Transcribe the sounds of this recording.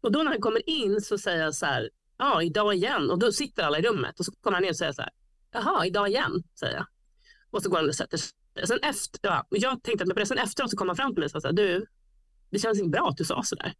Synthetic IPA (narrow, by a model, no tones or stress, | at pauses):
ɔd̪ɔnæɾankʰɔmːəɾɪnːsɔsɛjːəɾjasæ̰ːɾ | jɑɪd̪ɑːɪjɛnːɔd̪ɔsɪt̪ːəɾalːaɪɾɵmːə̰t̪ɔsɔkʰɔməɾhanɪnɔsɛjːasæ̰ːɾ | jɑɦɑːɪd̪ɑːɪjɛ̰nːsɛ̰jə̰ja̰ | ɔsɔɡoːɾansɛt̪ːəʂ | d̪̥ɛ̰sɛnɛft̪jɑ̰jɑːɡt̪ʰɛŋkt̪əat̪mɛjpɔd̪ɛsɛnɛft̪əɾoːt̪sɔkʰɔmːhanfɾamːt̪ɪlmɛjsɑːjasæːɾd̪ʉ | d̪ɛɕɛnsɪŋːəbɾɑːat̪d̪ɵsɑ̰ːsɔd̪æ̰ːɾ